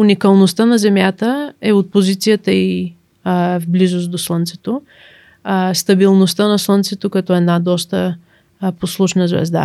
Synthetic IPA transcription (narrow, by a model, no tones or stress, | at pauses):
unikəlˠnost̪ənɐzɛmjat̪əɛot̪̚pozit̪sijət̪əi | vblizost̪d̪oslˠənt̪sɛt̪o | st̪əbilˠnost̪ənɐslˠənt̪sɛt̪okɐt̪ɔɛd̪nad̪ɔst̪ə | poslˠuʃnəzvɛ̰zd̪a̰